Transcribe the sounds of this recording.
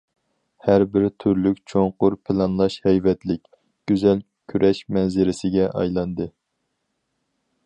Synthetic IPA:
hæɾbɪɾt̪ʰyɾlykʲt͡ʃʰoɴqʊɾpʰɪlˠɑnlˠɑʃhɛjvɛt̪lɪkʲ | ɡ̥ʲyzɛl | kʲʰyɾʔɛʃmɛnzɪɾɪsɪɡʲɛʔɑ̰jlˠɑnd̪ɨ

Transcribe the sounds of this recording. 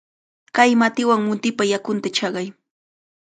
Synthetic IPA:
kajmat̪ɪwaŋmʊnt̪ɪpajakʊnt̪at͡ʃɑɢɑj

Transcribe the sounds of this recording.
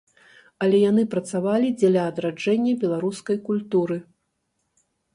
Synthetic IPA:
ɐlʲɛjan̪ɨpɾɐt̪savalʲid͡zʲɛlʲɐːd̪ɾad͡ʐɛnʲːɐbʲɛlˠaɾuskɐjkulʲt̪uɾɨ

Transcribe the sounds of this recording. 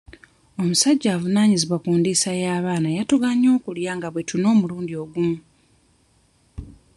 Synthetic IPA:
o̞musaɟːaːvunaːɲiziβwakuːndesajaːβaːnajatuɡaɲːo̞ːkuljaːŋɡaβwe̞tuno̞ːmuluːndio̞ɡumu

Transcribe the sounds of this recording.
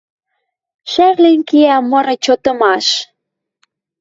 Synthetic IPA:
ʃærlenkiæmɤɾɤ̆t͡ɕot̪ɤ̆mɑʃ

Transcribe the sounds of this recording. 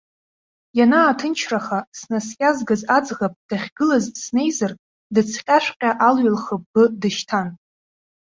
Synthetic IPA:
janaːtʰɨnt͡ʃʰraχasnaskʲʼazɡazad͡zʁapʼd̥aχʲɡɨlazsne̞jzar | dɨt͡sʰqʲʼaʃʷᶣqʲʼaʔalɥalχəbːɨdɨʃtʰan

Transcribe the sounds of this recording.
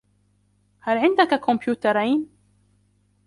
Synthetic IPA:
halʕɪnd̪akakʰʊmpjuːt̪ɑɾˤajn

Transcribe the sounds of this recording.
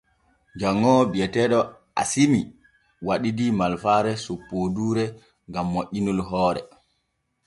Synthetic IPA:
d͡ʒaŋːɔbiɛtɛɗɔ | a̰simi | waɗidimalfaɾɛsupːoduːɾɛ | ŋɡamːoʔinulɦɔːɾɛ̰

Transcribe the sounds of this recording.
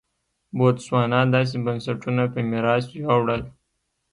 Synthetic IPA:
bot̪swɑːnɑd̪ɑːs̬ebansaʈunapemiɾɑsjawɽəl

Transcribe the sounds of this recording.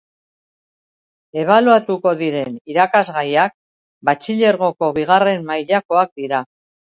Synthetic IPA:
e̞β̞aluat̪uko̞ðiɾe̞niɾakazɣajak̚ | bat͡ʃiʎe̞ɾɣ̞o̞ko̞βiɣ̞are̞mːajʎako̞ak̚d̪iɾa

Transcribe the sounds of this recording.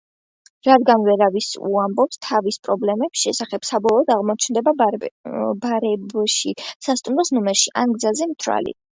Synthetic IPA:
ɾad̪ɡanvɛɾavisṵambɔpst̪ʰavispʼɾɔblɛmɛb̥sʃɛsaχɛb̥sabɔlˠɔːd̪aʁmɔt͡ʃʰnd̪ɛba | baɾɛbʃisast̪ʼumɾɔsnɔmɛɾʃiʔaŋɡzazɛmt̪ʰɾa̰lḭ

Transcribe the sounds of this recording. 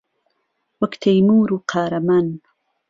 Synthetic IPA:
wɐkt̪ʰɐjmuːɾuːqʰaːɾɐman

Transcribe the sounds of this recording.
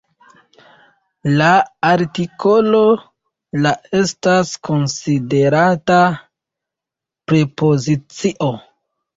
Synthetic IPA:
laaɾtiko̞lo̞ | lae̞stasko̞nside̞ɾata | pɾepo̞zit͡siʔo̞

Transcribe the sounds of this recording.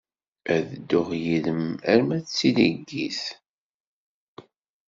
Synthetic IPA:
æðəd̪ːʊʁjiləmæɾmæt͡sːiliɡːiθ

